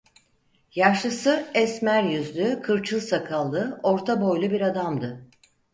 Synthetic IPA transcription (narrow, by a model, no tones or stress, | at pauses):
jaʃlɯsɯɛsmæɾjyzlʲykʰɯɾt͡ʃʰɯlˠsakʰalˠːɯo̞ɾt̪ʰabo̞jlʲˠubiɾad̪amd̪ɯ